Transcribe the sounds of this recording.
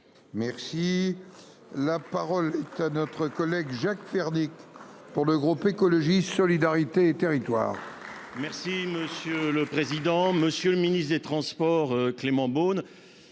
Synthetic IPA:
mɛʁsi | lapaʁɔlɛt̪anɔt̪χəkɔlɛɡʒakfɛʁnik | puʁləɡʁupekɔlɔʒisɔlid̪aʁit̪eːt̪eʁit̪wa̰ːʁ | mɛʁsiməsjøləpχezid̪ɑ̃məsjøləminist̪χd̪et̪χɑ̃spɔʁklemɑ̃bon

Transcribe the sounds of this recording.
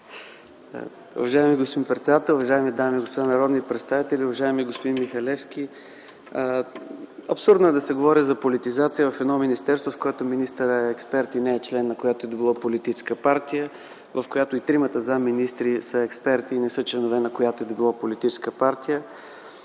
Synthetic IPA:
ʊ̰vɐʒaɛmiɡospod̪ĩmnpɾɛt̪sd̪at̪ɛlˠʊvɐʒaɛmid̪amiɡospod̪anɐɾɔd̪nipɾɛt̪st̪avit̪ɛliʊvɐʒaɛmiɡospod̪inmixɐlɛfskʲi | ɐpsuɾd̪noɛd̪ɐsɛɡovɔɾizɐpolit̪izat̪sijəvɐfɛd̪nɔminist̪ɛɾst̪vofkojɛt̪ominist̪əɾəɛɛkspɛɾt̪inɛːt͡ʃlɛnːɐkojat̪oɛd̪obilˠapolit̪it͡ʃɛ̥skəpaɾt̪ijə | vəfkojat̪oit̪ɾimət̪əzaminist̪ɾisəɛkspɛɾt̪inɛsɤt͡ʃlɛnovɛnɐkojat̪oɛd̪obilˠɔpolit̪it͡ʃɛ̥skəpaɾt̪ijə

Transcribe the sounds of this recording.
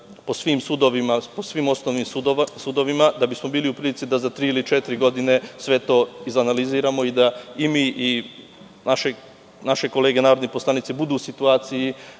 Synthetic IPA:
po̞sʋimsud̪oʋimaposʋiːmo̞snoʋniːmusud̪o̞ʋimad̪abismo̞biːliupɾilit̪sid̪azat̪ɾiːilit͡ʃet̪iɾiɡo̞d̪ine̞sʋe̞t̪o̞ːizanaliziːɾamo̞id̪aimiːʔi | naʃe̞ | naʃe̞ko̞le̞ːɡe̞naːɾo̞d̪neposlˠanit̪sebud̪uːsit̪uaːt̪siji

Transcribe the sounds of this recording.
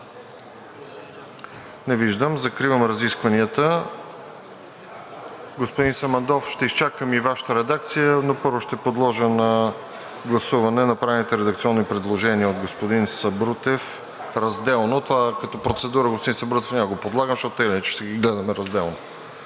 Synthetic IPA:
nɛviʒd̪əmzɐkɾivəmɾɐziskvɐniət̪ə | ɡospod̪insɐmɐnd̪ɔfʃt̪ɛist͡ʃakəmivaʃə̥t̪əɾɛd̪ak̚t̪sijənopɤɾvʊʃt̪ɛpod̪lˠɔʒənɐ | ɡlˠɐsuvɐnɛnɐpɾavɛnit̪ɛɾɛd̪ɐkt̪siɔnːipɾɛd̪lˠoʒɛniəod̪ɡospod̪insɐbɾut̪ɛf | ɾɐzd̪ɛlˠnot̪ovakɐt̪ɔpɾot̪sɛd̪uɾəɡospod̪ĩnsɐbɾut̪ɛfnʲaɡopod̪lˠaɡəmʃt̪ɔt̪ɛlinɛt͡ʃɛ̥ʃt̪ɛɡiɡlɛd̪ɐmɛɾɐzd̪ɛlˠno

